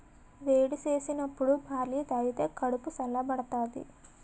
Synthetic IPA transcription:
ʋeːɽit͡ʃeːsinɐpːuɽubʱaːɾliːt̪ɐjit̪eːkɐɽupusɐlːɐbɐɽɐt̪aːd̪ḭ

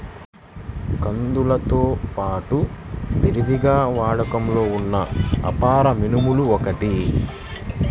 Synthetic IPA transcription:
kɐnd̪ulɐt̪o̞ːpaːʈupiɾid̪iɡaːʋaːɽɐkɐmlo̞ːunːɐ̰ːpaːɾɐminimuluɔkɐʈi

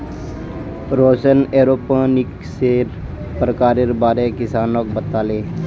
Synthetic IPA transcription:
ɾoːsəneːɾoːpə̃nɪk | seːɾ | pɾəkaːɾeɾbaːɾekɪsaːnok̚bət̪aːleː

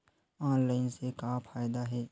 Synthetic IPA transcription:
ãːnlaːɪnsekapʰaːjd̪aɦɛː

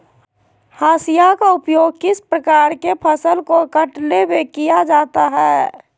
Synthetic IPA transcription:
haːsijakaʊpjoːɡ̚kɪspɾəkaːɾkepʰəsəlkokəʈlebekijad͡ʒaːt̪aɦɛː

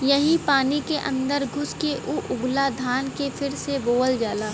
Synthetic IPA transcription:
jɐɦĩpaːnikeʔɐ̰̃nd̪əɾɡʱʊskeʔʊʔʊɡlad̪ʱaːnkepʰɪɾseboːld͡ʒaːlaː

